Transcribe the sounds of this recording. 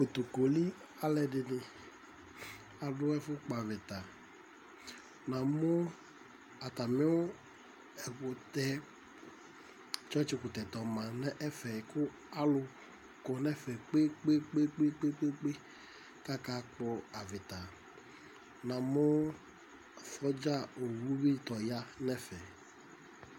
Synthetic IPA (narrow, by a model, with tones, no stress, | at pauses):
ko˨t̪u˨ko˨li˦ | a˨lɛ˨ɖɪ˨nɪ˨ | a˨ɖʊ˦ɛ˦fʊ˦k͡pɔ˨a˨vɪ˨t̪a˨ | nã˨mʊ˦ | a˨t̪a˨mĩ˦wo˦ | ɛ˨vo˨t̪ɛ˦ | t͡ʃɔ˦t͡ʃi˦ku˨t̪ɛ˨t̪ɔ˨mã˨nɛ˦ʔɛ˦fɛ˨kʊ˦ | a˦lʊ˨ | kɔ˨nɛ˦fɛ˨k͡pe˦k͡pe˦k͡pe˦k͡pe˦k͡pe˦k͡pe˦k͡pe˦ | ka˦ka˦k͡pɔ˦a˨vɪ˨t̪a˨ | nã˨mʊ˦˨ | fɔ˦d͡ʒa˦˨o˨wu˦bi˦t̪ɔ˨ja˦nɛ˦fɛ˨